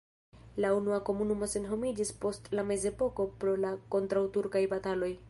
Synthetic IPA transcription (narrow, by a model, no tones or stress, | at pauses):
launuako̞munumo̞se̞nɦo̞mid͡ʒispo̞stlame̞ze̞po̞ko̞pɾo̞lako̞ntɾawtuɾkajbatalo̞j